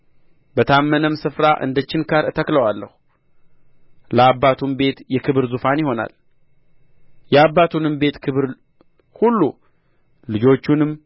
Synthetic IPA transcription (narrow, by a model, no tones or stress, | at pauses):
bət̪ʰamːənəmsɨfɾaʔɨ̰nd̪ət͡ʃːɪnkʰaɾɨt̪ʰəkləwalːə̰hu | ləabːat̪ʰumbe̞t̪jɛkʰɨβɨɾzufanjɪho̞na̰l | jɛabːat̪ʰunɨmbe̞t̪kʰɨβɨɾ | hulːu | lɨd͡ʒo̞t͡ʃːunɨm